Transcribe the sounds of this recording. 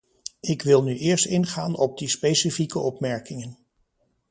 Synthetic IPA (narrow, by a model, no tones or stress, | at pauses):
ɪkʋɪlˠnyʔɪːɹstɪnχaːnɔb̚dispejsifikəɔpmɛɹkɪŋən